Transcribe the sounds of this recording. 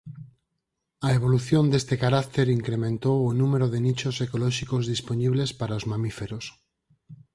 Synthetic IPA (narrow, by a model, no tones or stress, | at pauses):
aeβ̞oluθjond̪est̪ekaɾakt̪eɾiŋkɾemẽnt̪owonumeɾoðenit͡ʃosekolɔʃikozðisponiβlespaɾaozmãmifeɾos